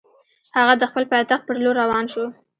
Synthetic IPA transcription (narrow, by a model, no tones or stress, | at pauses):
haɣad̪əxpəlpɑjt̪axt̪̚pəɾloɾːawɑnʃo